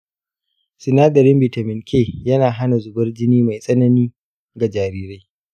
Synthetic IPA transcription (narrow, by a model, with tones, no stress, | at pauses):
sɪ˨naː˦ɡɐ˨ɾɪ˦mbɪ˨ta˨mɪ˨ŋkʲeː˦˨jɐ˦naː˨ɦa˦na˨zʊ˨bɐ˦rd͡ʒɪ˦niː˦ma˨jsʼɐ˦nɐ˦niː˦ | ɡa˨d͡ʒaː˨ɾiː˦ɾa˦j